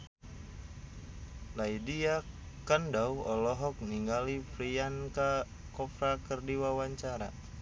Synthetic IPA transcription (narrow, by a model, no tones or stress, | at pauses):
laidia | kandawɔlɔɦɔk̚niŋɡalifɾianka | kɔpɾakərdiwawaɲt͡ʃaɾa̰